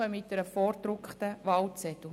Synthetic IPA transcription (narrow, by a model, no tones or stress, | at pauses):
əmɪtd̥ɛɾəfɔːɾd̪ɾʊkχt̪əʋɑlt͡sɛt̪ʊ